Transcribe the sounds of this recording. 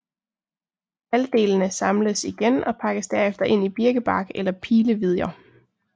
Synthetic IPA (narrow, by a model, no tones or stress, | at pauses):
æld̥e̝̰ːlnəsɑ̈mləsiɡ̥enɒ̽pʰɑ̈ɡ̥əsd̥æɐefd̥ɐʔe̝n̰ib̥iɐɡ̥əb̥ɑ̈ɡ̥elɐpʰiːləʋið̞ˠjɐ